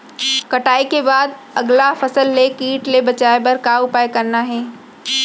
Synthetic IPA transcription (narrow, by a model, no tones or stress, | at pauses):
kɐʈaːekebaːd̪ | ɐɡlafɐsəlːekiːʈlebɐt͡ʃaːebɐɾkaʊpaːekɐɾnaɦɛː